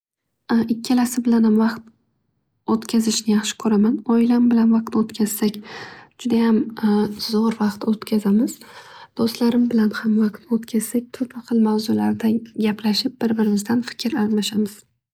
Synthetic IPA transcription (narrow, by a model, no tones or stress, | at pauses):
ʔɪkʲːɪlasɪbɪlanhamvɑqt̪ | ot̪kʲʰazɪʃnɪjɑχʃɪ̥kʰɵɾamanɒɪlabɪlanvɑq̚t̪ot̪kʲʰaz̥sakʲd͡ʒʊd̪ajamzɒɾvɑqt̪ot̪kʲʰazamɪzd̪̥ost̪laɾɪmbɪlanhamvɑqt̪ot̪kʲʰaz̥sak̚ʲt̪ʰʊpaχɨlˠmawzʊlaɾd̪aɡʲaplaʃɪp̚b̥ɪɾbɪɾɪmɪzd̪anfɪ̥kʲʰɾalˠmaʃamɪz̥